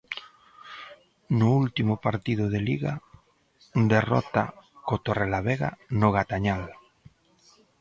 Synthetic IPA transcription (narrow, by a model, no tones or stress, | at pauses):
nʊult̪imʊpaɾt̪ið̞ʊðeliɣa | d̪erɔ̰t̪akot̪orelaβeɣa̰nʊɣ̞at̪aɲal